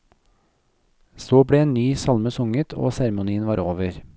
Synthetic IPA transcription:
soːbɽeːeːnnyːsɑlməsʊŋət̪ʰo̰ːsæɾmʊniːənʋɑːɾʔoːʋəɾ

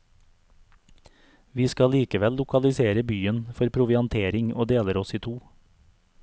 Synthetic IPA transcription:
ʋiːskɑliːkəʋɛllʊkɑlɪseːɾəbyːənfɔɾpʰɾʊʋɪɑnt̪ʰeːɾɪŋo̰ːd̪eːləɾɔsiːt̪ʰuː

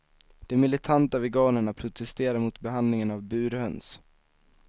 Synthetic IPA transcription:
d̪̥ɛmɪlɪt̪ʰant̪avɛɡɑːnəɳapʰɾʊt̪ʰɛst̪eːɾaɾmʊt̪bɛɦand̪lɪŋənavbʉ̟ːɾhœns

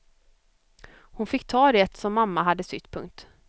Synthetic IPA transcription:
hʊnfɪkːt̪ʰɑːd̪ɛt̪sɔmːamːaɦad̪ːəsʏt̪ːpʰɵŋk̚t̪

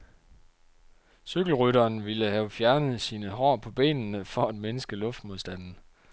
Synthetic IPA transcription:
syɡ̥l̩ʁyɾɐːnʋiləhæʊfjæɐnəð̞̩ˠsiːnəɦɒ̰ːpʰɒ̽b̥e̝̰ːnnəfɒ̽æd̥menəsɡ̥əlɔ̽fd̥moðˠsd̥æn̰n̩

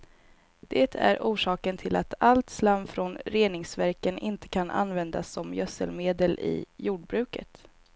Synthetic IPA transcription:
d̪̥eːt̪ʰæ̰ɾʔuːʂɑːkənt̪ʰɪlat̪ʰalt̪slamfɾɔnɾeːnɪŋsvæɾkənɪnt̪ə̥kʰanʔa̰nvɛnd̪asːɔmjœsə̰lmeːd̪əlɪ̰juːɖbɾʉ̟ːkə̰t̪

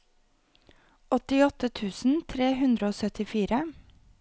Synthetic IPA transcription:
ɔt̪ɪɔt̪ət̪ʰʉːsn̩t̪ʰɾeːhʉnd̪ɾəoːsœt̪ɪfiːɾə

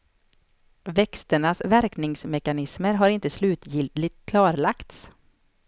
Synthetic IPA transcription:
vɛkst̪əɳasvæɾknɪŋsmɛkanɪsməɾɦaɾɪnt̪əslʉ̟ːt̪jɪlt̪lɪt̪kʰlɑːɾɭakt̪s

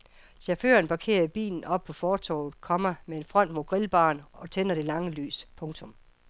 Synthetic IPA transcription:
sæɐfø̰ːɐnb̥ɑ̈kʰe̝̰ːɐib̥ḭːln̩ɒ̽b̥̚pʰɒ̽fɒːt͡sʰɒ̰ʊð̩ˠkʰɒ̽mɐmee̝nfʁɒ̽n̰d̥mo̝ːɡ̥ʁilb̥ɑ̰̈ːnɒ̽t͡sʰenɐɾ̥e̝lɑ̈ŋəly̰ːspʰɔ̽ŋt͡sʰɔ̽m

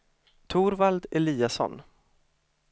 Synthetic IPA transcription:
t̪ʰuːɾvald̪ɛliːasɔ̰n

